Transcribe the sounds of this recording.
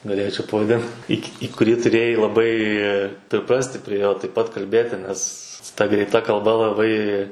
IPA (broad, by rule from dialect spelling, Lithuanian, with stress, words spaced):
ɡɐˈlʲeːt͡ʃʲɛʊ pɐʋɐˈdʲɪn iː kʲ iː kʊˈrʲiː tʊˈrʲeːjɛɪ lˠɐˈbɐɪ pʲrʲɪˈprɑːsʲtʲɪ pʲrʲiɛ ˈjoː tɐɪp ˈpɐt kɐlʲˈbʲeːtʲɪ ˈnʲɛs tɐ ɡrʲɛɪtˈɐ kɐlˠˈbɐ lˠɐˈbɐɪ